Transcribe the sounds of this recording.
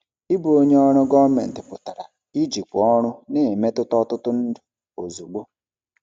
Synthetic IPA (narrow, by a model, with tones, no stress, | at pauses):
i˦bu˨˦o˦ɲe˦ɔ˦ɾʊ˦ɡɔ˦me˨n̩˨tɪ˨pʊ˨ta˨ɾa̰˨ | i˦d͡ʒi˨kʷʊ˨ɔ˦ɾʊ˦ne˦˨me˦tʊ˦tɔ˦tʊ˦tʊ˦n̩˦dʊ˨ | o˨zu˨ɡ͡bo˦